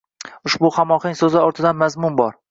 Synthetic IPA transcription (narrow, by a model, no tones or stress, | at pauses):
ʊʃbʊχamɒχɪŋʲsɵzɪɒɾt̪ʰɪd̪anmazmʊnbɒɾ